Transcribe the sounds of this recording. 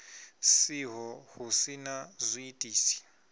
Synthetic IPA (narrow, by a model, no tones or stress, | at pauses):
siɦɔhusinazʷiitʼiːsi̥